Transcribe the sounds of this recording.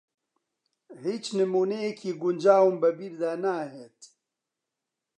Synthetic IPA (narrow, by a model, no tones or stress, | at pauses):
hiːt͡ʃnəmuːnejekʰiːɡund͡ʒaːwumbɐbiɾd̪aːnaːɦeːt̪